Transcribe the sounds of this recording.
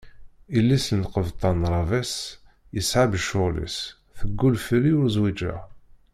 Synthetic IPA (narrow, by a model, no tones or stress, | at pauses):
ilːisənqəvt̪ˤːɑnɾˤɑvæs | jəsʕabəʃʊlḭs | θəɡːulfəlːiʊɾzwid͡ʒæ̰